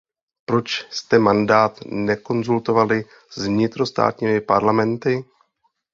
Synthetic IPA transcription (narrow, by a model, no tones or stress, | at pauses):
pɾo̞t͡ʃst̪ɛmandaːt̪nɛko̞nzult̪o̞valɪ | zvɲɪt̪ɾo̞st̪a̰ːt̪ɲiːmɪpaɾlamɛnt̪ɪ